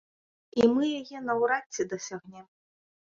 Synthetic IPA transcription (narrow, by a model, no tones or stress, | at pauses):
imɨjajɛnɐwɾat͡sʲːid̪ɐsʲaɣnʲɛ